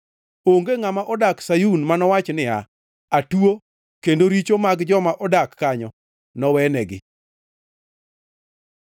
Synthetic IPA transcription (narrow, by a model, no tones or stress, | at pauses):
oŋɡeŋamaʔɔdaksajunmanɔwat͡ʃnɪa̰ | atuo | kendoɾit͡ʃomaɡd͡ʒɔmaʔɔdakːaɲɔ | nɔwɛnɛɡɪ̰